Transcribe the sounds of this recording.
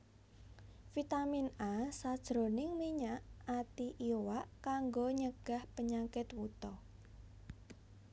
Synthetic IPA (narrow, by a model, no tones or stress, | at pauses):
fit̪aminasad̥ʒ̥ɾonɪŋmiɲaʔat̪iʔiwaʔkaŋɡoɲəɡ̥ahpəɲakɪt̪wut̪ɔ